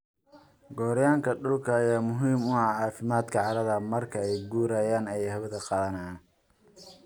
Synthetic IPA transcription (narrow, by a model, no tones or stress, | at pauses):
ɡɔːɾjaːŋkʰɐɖʊlkʰɐːjaːmʊɦiːmʊɐʕɑːfɪmaːd̪kʰɐʕɑɾɐðɐmɐrkʰɐɛjɡuːɾɐjaːnɛjhɐβɐðɐqɑlɐnan